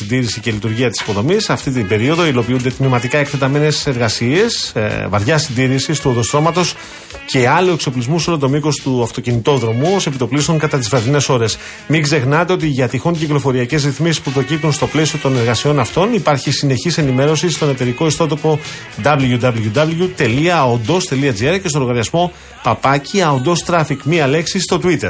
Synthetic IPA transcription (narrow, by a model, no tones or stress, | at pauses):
nd̪iɾisice̞lit̪uɾʝiɐt̪i̥si̥po̞ðo̞misɐft̪it̪ibe̞ɾio̞ðo̞ilo̞piund̪e̞t̪mimɐt̪ikɐekθe̞t̪ɐme̞ne̞se̞ɾɣɐsie̞svɐɾʝɐsind̪iɾisist̪uonðost̪ɾo̞mɐt̪o̞s | ce̞ɐlue̞kso̞plizmuso̞lot̪o̞mikost̪uɐft̪o̞cinit̪o̞ðɾo̞muosepit̪o̞plisoŋkɐt̪ɐt̪izvɾɐðine̞so̞ɾe̞s | miɡze̞xnɐt̪e̞o̞t̪iʝɐt̪ixunciklo̞fo̞ɾiɐce̞zɾiθmisispupɾo̞cip̚t̪unst̪o̞ple̞sio̞t̪o̞ne̞ɾɣɐsio̞nɐft̪o̞nipɐɾçisine̞çise̞nime̞ɾo̞sist̪o̞ne̞t̪e̞ɾiko̞ist̪o̞t̪o̞po̞ | d̪ɐbluʝud̪ɐbluʝud̪ɐblut̪e̞liɐond̪o̞st̪e̞liɐd͡zieɾce̞st̪o̞ɾɣɐɾiɐzmo̞ | pɐpɐciɐond̪o̞st̪ɾɐfikmiɐle̞ksist̪o̞t̪uit̪e̞ɾ